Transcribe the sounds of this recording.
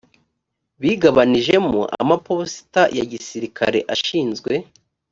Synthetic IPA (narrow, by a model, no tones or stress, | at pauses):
βiɡaβaniʒe̞mo̰ʔa̰maposi̥tajaɟisiɾikʰa̰ɾe̞̰ʔaʃiːnzɡwe̞